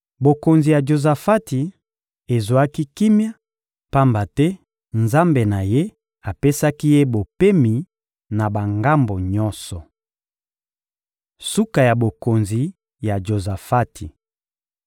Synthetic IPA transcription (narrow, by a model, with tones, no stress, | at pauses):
bo˨ko˨nzi˨ja˨d͡ʒo˨za˨fa˦ti˨ | e˨zwa˦ki˦ki˦mja˦ | pa˦mba˨tɛ˦ | nza˦mbe˨na˨je˦ | a˨pe˦sa˦ki˦je˦bo˨pe˦mi˨ | na˨ba˨ŋɡa˦mbo˨ɲɔ˦nsɔ˨ | su˦ka˨ja˨bo˨ko˨nzi˨ | ja˨d͡ʒo˨za˨fa˦tʰi˨